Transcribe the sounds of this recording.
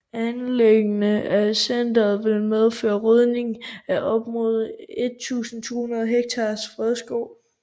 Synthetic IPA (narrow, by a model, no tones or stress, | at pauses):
ænleɡ̥nəæsend̥ɐð̩ˠʋe̝lmeð̞ˠføːɐʁœð̞ˠne̝ŋæʔɒ̽b̥mo̝ð̞ˠe̝d̥̚t͡sʰṵːsn̩t͡sʰo̝̰ːhunɐð̞ˠɦeɡ̥̚t͡sʰɑ̈ːsfʁɛð̞ˠsɡ̥ɔʊ